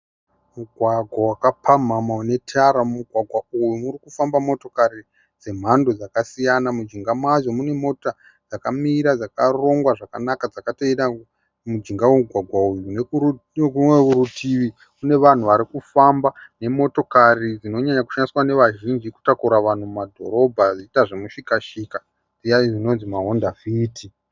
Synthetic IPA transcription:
muɡʱwaɡʱwawakapʰam̤amaune̞tʰaɾamuɡʱwaɡʱwaujumurikufambamo̞to̞kaɾi | d͡ze̞m̤ando̞d͡zakasijanamud͡ʒiŋɡamwazo̞mune̞mo̞ta | d͡zakamiɾad͡zakaro̞ŋɡwaʐakanakad͡zakateiɗa | mud͡ʒiŋɡaweuɡʱwaɡʱwaujunekumwe̞uɾutʰiʋi | kune̞ʋan̤uʋaɾikufambane̞mo̞to̞karid͡zino̞ɲaɲaku̥ʃandiswane̞ʋaʒind͡ʒiku̥takuɾaʋan̤umumadʱo̞̰ɾo̞bʱad͡ziitaʐemuʃikaʃika | d͡zijaid͡zino̞nzimaɦo̞ndaviːti

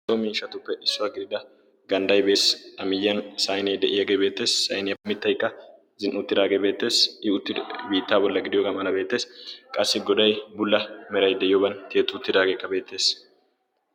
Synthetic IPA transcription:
somiːʃːɐt̪ʊpːɛʔɪsːʊwaɡɪd̪ɪd̪ɐ | ɡɐnd̪ɐjbe̞ːsʔɐmɪjːɐnsɐjneːd̪ɛʔɪjɐɡebeːt̪ːe̞ːsːɐjnemɪt̪ːɐjkːɐ | zɪnʔʊt̪ːɪd̪aːɡebe̞ːt̪ːe̞ːsɪʊt̪ːɪbiːt̪ːaːbɔlːɐɡɪd̪ɪjoːɡɐmɐlɐbeːt̪ːe̞ːskʼɐsːɪɡɔd̪ɐjbʊlːɐmɛɾɐjd̪ɛʔɪjoːbɐnt̪eːt̪ːʊʊt̪ːɪd̪aːɡekːɐbe̞ːt̪ːe̞ːs

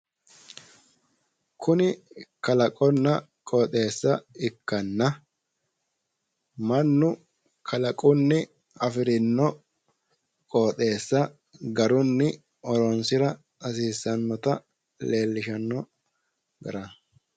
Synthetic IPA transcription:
kʊnɪkɐlɐkʼɔnːɐ | kʼoːt̪ʼe̞ːsːɐɪkːɐnːɐ | mɐnːʊ | kʰɐlɐkʼʊnːɪ | ɐfɪɾɪnːɔ | kʼoːt̪ʼe̞ːsːɐ | ɡɐɾʊnːɪ | ɔɾɔnsɪɾɐ | ɐs̬iːsːɐnːɔt̪ɐ | le̞ːlːɪʃɐnːɔ | ɡɐ̰ɾɐ

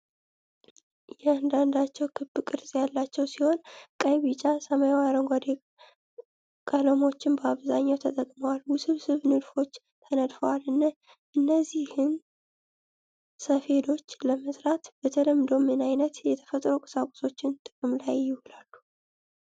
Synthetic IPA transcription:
jɛand̪and̪at͡ʃːɛwkʰɨbːɨkʼɨɾzʼjalːat͡ʃːɛwsiho̞nkʼəjβit͡ʃʼasəməjwaɾəŋɡʷad̪e | kʼələmo̞t͡ʃːɪnbəaβzaɲːawt̪ʰət̪ʼəkʼməwalwʊsɨβsɨβnɨd̪fo̞t͡ʃː | t̪ʰənəd̪fəwalɨnːa | ʔɨnːəzːihɨn | səfe̞d̪o̞t͡ʃːləməsʼɾat̪b̥ət̪ʰələmːd̪o̞mɨnajnət̪jɛt̪ʰə̥fət̪ʼɾokʼɨ̥sakʷʼu̥so̞t͡ʃːɪnt̪ʼɨkʼɨmlajːɪhʊlalːu

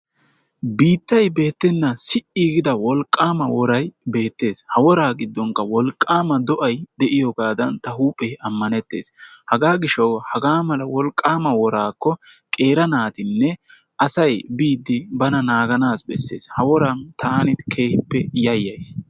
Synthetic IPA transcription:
biːt̪ːɐjbe̞ːt̪ːɛnːɐsɪʔiɡɪd̪ɐwɔlkʼːaːmɐwɔɾɐjbe̞ːt̪ːe̞ːshɐwɔɾaːɡɪd̪ːɔŋkɐwɔlkʼːaːmɐd̪ɔʔɐjd̪ɛʔɪjɔɡaːd̪ɐnt̪ɐhuːpʼːejɐmːɐnɛt̪ːe̞̰ːshɐɡaːɡɪʃɐwhɐɡaːmɐlɐwɔlkʼːaːmɐwɔɾaːkːɔkʼe̞ːɾɐnaːt̪ɪnːɛ | ʔɐsɐjbiːd̪ːɪbɐnɐnaːɡɐnaːsbɛsːḛːshɐwɔɾɐnt̪ʰaːnɪt̪kʰe̞ːhɪpːɛjɐjːɐjs

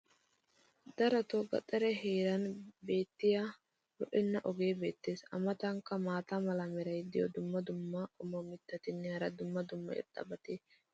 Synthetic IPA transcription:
d̪ɐɾɐt̪oɡɐ̰t̪ʼːɐɾɛɦeːɾɐnbe̞ːt̪ːɪja | lɔʔɪnːɐʔɔɡe̞ːbe̞ːt̪ːe̞ːsɐ̰mɐt̪ɐŋkːɐmaːt̪amɐlɐmɛɾɐjd̪ɪjɔ̰d̪ʊmːɐd̪ʊmːɐʔʊmɔmɪt̪ːɐt̪ɪnːɛhɐɾɐd̪ʊmːɐd̪ʊmːɐ̰ɛ̰ɾd̪̥ɐ̰bɐt̪e

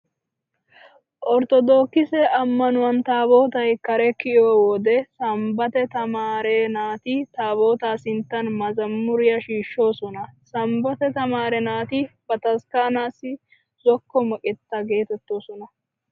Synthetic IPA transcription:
ʔɔɾt̪ɔd̪o̞ːkːɪsɛɐmːɐnʊwɐnt̪aːbo̞ːt̪ɐjkɐɾɛkɪɔwɔd̪ɛsɐmbɐt̪ɛt̪ɐmaːɾeːnaːt̪ɪt̪aːbo̞ːt̪aːsɪnt̪ːɐnmɐzɐmːʊɾɪjɐʃiːʃːo̞ːsɔnɐsɐmbɔt̪ɛt̪ɐmaːɾɛnaːt̪ɪb̥ɐt̪ɐskaːnaːsɪ | zɔkːɔmɔkʼɛt̪ːɐɡe̞ːt̪ɛt̪ːoːsɔnɐ

